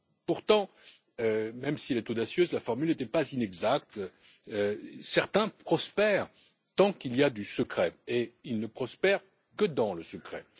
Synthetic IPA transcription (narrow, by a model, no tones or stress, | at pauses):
puʁt̪ɑ̃ | ømɛmsiɛlɛt̪od̪asjøzlafɔʁmylnet̪ɛpazinɛɡzak̚t̪ː | sɛʁt̪ɛ̃pχɔspɛʁ | t̪ɑ̃kiliad̪ysəkχɛeilnəpχɔspɛʁ | kəd̪ɑ̃ləsəkχɛ̰